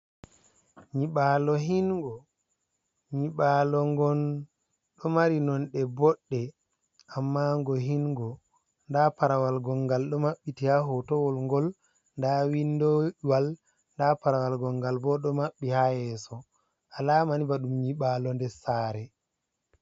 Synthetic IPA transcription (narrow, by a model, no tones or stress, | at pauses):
ɲiɓalɔɦinŋɡɔ | ɲiɓalɔŋɡɔn | ɗɔmaɾinɔnɗɛbɔɗːɛ | ʔamːaŋɡɔɦinɡɔ | ndapaɾawalɡɔŋɡalɗɔmaɓːitihaɦɔtɔwɔlŋɡɔl | ndawindɔwal | ndapaɾawalɡɔŋɡalbɔɗɔmaɓːihajɛsɔ | ʔalamanibaɗumɲiɓalɔndɛsaɾɛ